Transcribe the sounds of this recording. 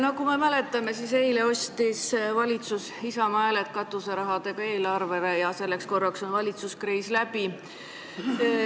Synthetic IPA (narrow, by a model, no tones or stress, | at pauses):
nɑkume̞mæle̞t̪ːˑɑme̞sise̞jle̞o̞sʲt̪isvɑlʲit̪sus | isɑmɑelet̪kɑt̪ːˑuseɾɑɦɑd̪̥e̞ɡ̥ɑe̞ːlɑrve̞ɾejɑse̞lːeksko̞rːɑkso̞nvɑlʲit̪suskriːslæbi